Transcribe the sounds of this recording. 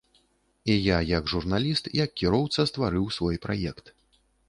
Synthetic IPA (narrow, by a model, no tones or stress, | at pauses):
ijajɐɡʐurnalʲist̪jɐkːʲiɾɔwt̪sɐst̪vaɾɨwsvɔjpɾa̰jɛkt̪